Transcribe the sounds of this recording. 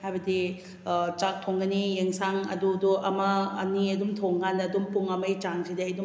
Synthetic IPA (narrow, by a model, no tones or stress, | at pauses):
hajbɐdi | t͡ʃak̚tʰoŋɡɐnijeŋsaŋɐ̰duduʔɐmɐ̰ːniɐdumtʰoŋɡʰandɐːdumpuŋɐmɐjt͡ʃaŋsideɐjdum